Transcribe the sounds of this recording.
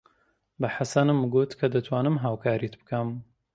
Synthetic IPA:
bɐħasɐnɨmːɡut̪kʰɐd̪ɐt̪ʰwaːnɨmɦaːwkʰaːɾit̪bɨ̥kʰɐm

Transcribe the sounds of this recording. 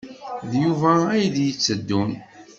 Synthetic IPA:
ðjuvææjðjət͡sːəd̪ːun

